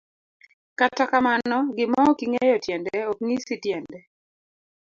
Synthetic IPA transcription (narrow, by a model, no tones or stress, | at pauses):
katakamanɔɡɪmɔkiŋejɔtjɛndɛok̚ŋisitjɛndɛ